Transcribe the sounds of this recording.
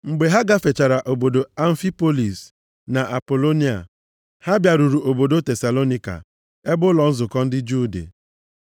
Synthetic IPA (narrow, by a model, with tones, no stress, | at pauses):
ŋ͡m̩˨ɡ͡be˨ɦa˦ɡa˦fe˨t͡ʃa˨ɾa˨ʔo˨bo˨do˨a˨ɱ̩˦fi˦po˦li˨s | na˨ʔa˨po˨lo˦ni˦a̰˨ | ha˦bja˨ɾu˨ɾu˨ʔo˨bo˨do˦te˨sa˨lo˦ni˦ka̰˨ | e˦bʊ˦lɔ˨n̩˦zʊ˨kɔ˦n̩˦dɪ˦d͡ʒuː˦dḛ˨